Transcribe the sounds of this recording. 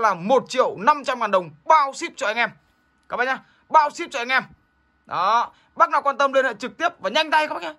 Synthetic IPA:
laː˨˩mo˨˩t̚t͡ɕḭ˧˨əwna˧mt͡ɕa˧mhaː˨˩nɗə˨˩wŋ͡mɓaː˧wsi˦˥p̚t͡ɕɔ˧ʔa˧jŋ̟ʔɛ˧m | kaː˨˩ɓa̰ː˧˨˩ɲaː˧ | ɓaː˧wsi˦˥p̚t͡ɕɔ˧ʔa˧ŋ̟ʔɛ˧m | ɗɔ˨˦ | ɓa˦˥k̚naː˧˩wkwaː˧nt̪ə˧mli˧nhə̰ː˧˨˩t͡ɕɨ˨˩k̚t̪i˦˥əp̚vaː˨˩ɲa˧jŋ̟t̪a˧jkaː˧˦ɓa˧˥ɲaː˧

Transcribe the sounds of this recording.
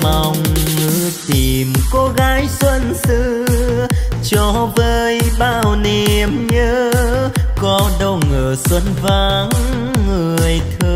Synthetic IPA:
ma˨˩wŋ͡mːɨ˧˥˨t̪i˨˩mko˧˦ɣaː˨˦jswə˧nsɨ˧˥ | t͡ɕɔ˧˦vəː˧jɓaː˧˩wne˨˩mɲəː˧˦ | kɔ˨˦ɗə˧wŋəː˨˩swə˧nva˧ŋː | ɨ˨˩əəjt̪ʰəː˧

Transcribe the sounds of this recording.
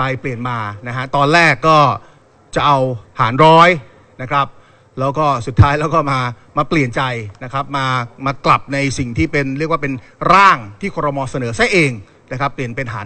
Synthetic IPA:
ka˧jpli˨˩ənmaː˧na˦˥kʰa˦˥t̪ɔː˧nlɛː˥˩kːɔː˥˩ | t͡ɕa˨˩ʔa˧wha̰ː˩˦nɾɔː˦˥j | na˦˥kʰɾa˦˥p̚ | lɛː˦˥wkɔː˥˩su˨˩t̪ʰːaː˦˥jlɛː˦˥wkɔː˥˩maː˧ | maː˧pli˨˩ənt͡ɕa˧jna˦˥kʰɾa˦˥p̚maː˧maː˧kla˨˩p̚na˧jsi˨˩ŋt̪ʰiː˥˩pe˧nɾi˥˩ək̚waː˥˩pe˧nɾaː˥˩ŋt̪ʰiː˥˩kʰɔː˧ɾa˧mɔː˧sa˧nɤː˩˦sa˦˥jʔeː˧ŋ | na˦˥kʰɾa˦˥pːli˨˩ənpe˧nɦaː˩˦

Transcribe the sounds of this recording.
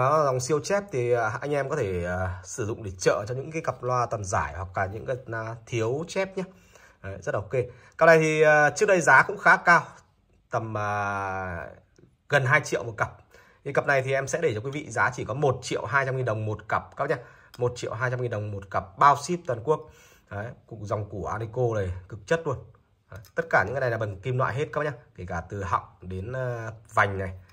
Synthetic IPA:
ɔ˨˦za˨˩wŋ͡msi˧əwt͡ɕɛ˦˥p̚t̪ʰi˨˩˨ʔa˧jŋ̟ʔɛ˧mkɔ˨˦t̪ʰe˧˩əː˨˩sɨ˧˩zʊ̰˧˨ŋ͡mɗe˧˩t͡ɕə̰ː˧˨t͡ɕɔ˧ŋ͡mɲɨ̰˧˥ŋkaː˨˦kə˨˩p̚lwaː˧t̪wa˨˩nzaː˧˩jhwa˨˩k̚laː˨˩ɲɨ̰˧˥ŋkaː˨˦jna˨˧t̪ʰi˨˦əwt͡ɕɛ˦˥p̚ɲaː˦˨ | zə˦˥t̚la˨o˨˩ke˧ | kə˨˩p̚na˨˩jt̪ʰi˨˩əː˨˩t͡ɕɨ˦˥ək̚ɗə˧jzaː˨˦kʊ̰˧˥ŋ͡mxaː˨˦kaː˧w | t̪ə˨˩məː˨˩ | ɣə˨˩nɦaː˧jt͡ɕḭ˧˨əwmo˨˩kə˨˩p̚ | ɲɨ˧ŋkə˨˩p̚na˨˩jt̪ʰi˨˩ʔɛ˧msɛ̰˧˥ɗe˧˩ɔ˧ki˨˦vḭ˧˨zaː˨˦t͡ɕi˧˩kɔ˨˦mo˨˩t̚t͡ɕḭ˧˨əwɦaː˧jt͡ɕa˧mŋi˨˩nɗə˨˩wŋ͡mmo˨˩t̚kə˨˩p̚kaː˦˥pɲaː˧ | mo˨˩t̚t͡ɕḭ˧˨əwɦaː˧jt͡ɕa˧mŋi˨˩nɗə˨˩wŋ͡mmo˨˩t̚kə˨˩p̚ɓaː˧wsi˦˥p̚t̪waː˨˩nku˦˥ək̚ | ʔəː˨˦ku˨˩k̚za˨˩wŋ͡mku˧˩əʔaː˧ni˧ko˧ləː˨˩jkɨ˨˩k̚t͡ɕə˦˥t̚lu˧ən | əː˨˦t̪ə˦˥t̚kaː˧˩ɲ̰ɨ̰˧ŋː˧˩˨laː˨˩ɓə˨˩ŋki˧mnlwa̰ː˧˨jɦe˦˥t̚kaː˦˥ɲaː˧ke˧˩kaː˧˩t̪ɨ˨˩ɦɔ̰˧˨wŋ͡mɗe˨˦nː˧va˨˩jŋ̟na˨˩j

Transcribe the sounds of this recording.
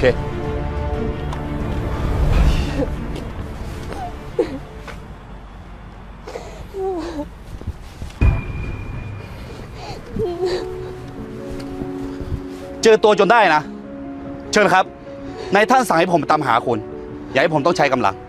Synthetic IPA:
kʰeː˧ | t͡ɕɤː˧t̪u˧ɐt͡ɕo˧ndaː˥˩jna˦˥ | t͡ɕʰɤː˧nkʰa˦˥p̚ | na˧jt̪ʰa˥˩nsa˨˩ŋha˥˩pʰo˩˦m˩t̪a˧mɦa̰ː˩˦kʰu˧n | ja˨˩ŋhpʰo˩˦t̪ɔ˥˩ŋt͡ɕʰa˦˥jka˧mla̰˧ŋ

